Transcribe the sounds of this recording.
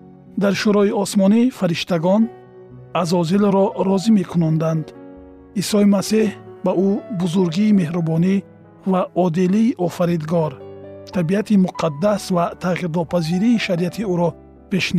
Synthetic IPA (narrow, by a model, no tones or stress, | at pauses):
d̪aɾʃuɾɔiɔsmɔnifaɾiʃt̪aɡɔn | azɔzilɾɔɾɔzime̞kʰunɔnd̪and̪ | isɔimasihbaʔubuzuɾɡiːme̞hɾubɔni | vaʔɔd̪iliːʔɔfaɾid̪ɡɔɾt̪ʰabiat̪ʰimuqʰad̪ːasvat̪ʰaʁiɾnɔpʰaziɾiːʃaɾiat̪ʰiuɾɔ | peʃn